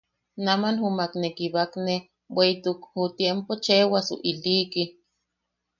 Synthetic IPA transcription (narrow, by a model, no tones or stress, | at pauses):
namanhumaknekiβakne | weit̪ukhut̪jempot͡ʃewasṵʔiliki